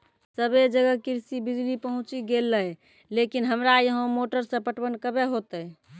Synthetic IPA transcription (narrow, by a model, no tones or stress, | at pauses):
səbed͡ʒəɡəkiɾsibid͡ʒlipəɦũt͡ʃiɡelːəj | lekinɦəmɾajəɦõmoʈəɾsə̃pəʈbənkəbeɦot̪ə